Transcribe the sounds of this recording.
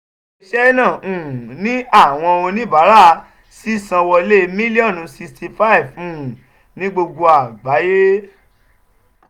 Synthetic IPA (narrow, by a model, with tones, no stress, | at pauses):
i˧ʃɛ˦nã˦˨ũ˨nĩ˦a˦˨w̃ɔ̃˧o˧nĩ˦˨ba˨˦ɾa˦˨˦ | si˦sã˧wɔ˧le˦mĩ˦li˦ɔ˦˨n˨˧si˧sti˧fa˦˨vũ˦˨ | nĩ˨˦ɡ͡bo˧ɡo˧a˨ɡ͡ba˨˦je˦